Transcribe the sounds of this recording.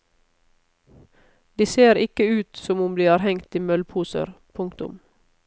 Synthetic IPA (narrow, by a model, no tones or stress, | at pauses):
d̪iːseːɾɪkəʉːt̪sɔmʊmd̪iːæːɾhɛŋt̪ɪmœlpʰuːsə̰ɾpʰʊŋkt̪ʊ̰m